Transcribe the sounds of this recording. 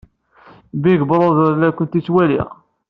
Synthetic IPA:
biɡəbɾˤoðɾlækʷənt̪it͡sːwælḭ

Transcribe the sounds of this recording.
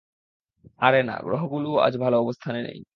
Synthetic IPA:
aɾena̰ɡɾo̰ɦoɡulua̰d͡ʑbʱaloɔbost̪ʰanenḛj

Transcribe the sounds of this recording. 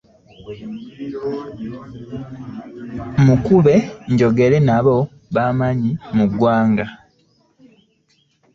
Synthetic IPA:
mukuβe̞ɲɟo̞ɡe̞ɾe̞naβo̞ | βaːmaɲimuɡwaːŋɡa

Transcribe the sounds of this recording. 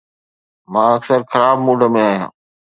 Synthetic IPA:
mãːɐksəɾxʰəɾaːb̚muːɖə̆mẽaːɦijã̰ː

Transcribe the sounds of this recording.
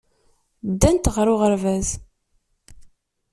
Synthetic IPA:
d̪ːænt̪ʁɾʊʁəɾvæz

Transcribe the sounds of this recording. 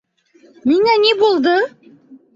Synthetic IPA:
miŋænebulˠd̪ɤ

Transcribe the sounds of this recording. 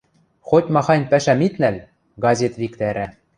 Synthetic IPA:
xotʲmɑxɑnʲpæʃæmit̪næl | ɡɑzʲet̪βʲikt̪æɾæ

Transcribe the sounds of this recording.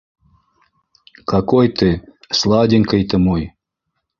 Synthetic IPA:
kakɔjt̪ɨ | slˠɑdʲɪŋʲkəjt̪ɨmoj

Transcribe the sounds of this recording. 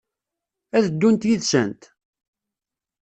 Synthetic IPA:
æðəd̪ːunt̪jiðsənt̪

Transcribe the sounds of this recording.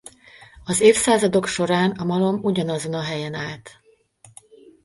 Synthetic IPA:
ɒzeːfsaːzɒd̪o̞kʃo̞ɾaːnɒmɒlo̞muɟɒnɒzo̞nɒɦɛjɛnaːlt̪

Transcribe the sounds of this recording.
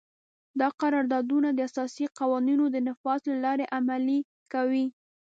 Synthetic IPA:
d̪ɑqaɾɑɾd̪ɑd̪unad̪əasɑsiqɑwɑninod̪ənɪfɑzlalɑɾeʔamali | kawi

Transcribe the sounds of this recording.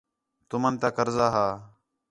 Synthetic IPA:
t̪ʊmənt̪aːkəɾzaːɦaː

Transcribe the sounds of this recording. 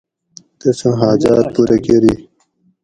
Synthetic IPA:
t̪esũɦaːd͡ʑaːt̪̚puːɾʔɐkeɾi

